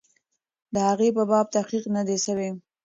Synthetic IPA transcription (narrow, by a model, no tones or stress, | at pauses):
d̪əhaɣepəbɑb̚t̪aqiqnad̪eʃawe